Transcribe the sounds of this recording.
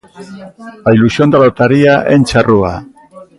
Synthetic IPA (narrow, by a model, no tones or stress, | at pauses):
ailusio̞nd̪alot̪aɾiaʔent͡ʃarua̰